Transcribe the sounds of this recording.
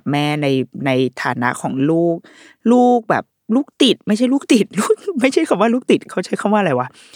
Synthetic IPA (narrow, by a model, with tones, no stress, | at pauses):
p̚mɛː˥˩na˧jna˧jt̪ʰa̰ː˩˦na̰˦˥ʔkʰɔː˩˦ŋluː˥˩k̚ | luː˥˩k̚bɛ̰ː˨˩p̚luː˥˩k̚t̪i˨˩t̪̚ma˥˩t͡ɕʰa˥˩jluː˥˩k̚t̪i˨˩t̪̚luː˥˩k̚ma˥˩jt͡ɕʰa˥˩jkʰa˧˦˩waː˥˧luː˥˩k̚t̪i˨˩t̪̚kʰa˦˥˩t͡ɕʰa˦˥˩jkʰa˥˩waː˥˩˨la˧jwa˦˥